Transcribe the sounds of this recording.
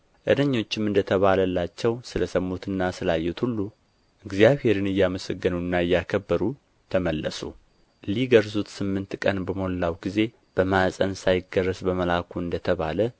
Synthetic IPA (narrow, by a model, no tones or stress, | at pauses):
ʔɨ̰d̪əɲːo̞t͡ʃːɪmɨnd̪ət̪ʰəβaləlːat͡ʃːɛwsɨləsəmːut̪ɨnːasɨlajːɛt̪hulːu | ʔɨɡzijaβhe̞ɾɨnɨjːaməsəɡːɨnuɨnːaɨjːakʰəbːəɾu | t̪ʰəməlːəsṵ | liɡəɾzut̪sɨmːɨnt̪kʼənbəmolːawɡize̞ | b̥əmasʼənsajɪɡərːəsbəməlakʰuɨnd̪ət̪ʰəβalə